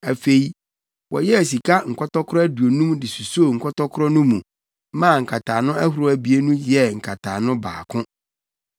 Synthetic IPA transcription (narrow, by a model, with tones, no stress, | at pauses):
æ˨fe˨i˦ | wɔ̰˨jɛ˦æ˨s̬i˨kʰa˦ŋ̩˨kʰɔ˦tɔ˦kʰɾɔ˦æ˦du˨o˨nũ˦mdɪ˨su˨so˦˨ŋ̩˨kʰɔ˦tɔ˦kʰʊ˦ɾɔ˦nʊ̃˦mũ˨ | mã˦˨ŋ̩˨kʰa˨tʰaː˨nʊ̃˦æ˦hu˨ɾʊ˦æ˨bi˨˦e˦nũ˦jɛ˦˨ŋ̩˨kʰa˨tʰaː˨nʊ̃˦ba̰ː˨kʰʊ̃˦